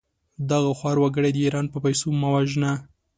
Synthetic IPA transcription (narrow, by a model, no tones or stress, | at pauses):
d̪aɣaxwɑɾwaɡəɽed̪əiɾɑnpəpajsomawaʒna